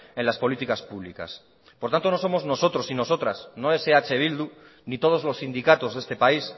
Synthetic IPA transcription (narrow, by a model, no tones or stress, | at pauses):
e̞nlaspo̞lit̪ikaspuβ̞lika̰s | poɾt̪ant̪onoso̞mo̞zno̞so̞t̪ɾo̞sino̞so̞t̪ɾasno̞eseat͡ʃe̞β̞ild̪u | nit̪o̞ð̞ozlo̞sːind̪ikat̪o̞zðe̞st̪e̞pais